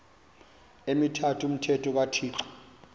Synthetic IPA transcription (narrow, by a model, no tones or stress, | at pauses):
emitʰatʰum̩tʰɛtʰɔk̬atʰiːǀɔ̥